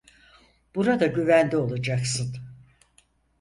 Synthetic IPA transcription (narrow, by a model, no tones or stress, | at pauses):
b̥uɾad̪aɟyvænd̪ʲio̞lˠad͡ʒaksɯn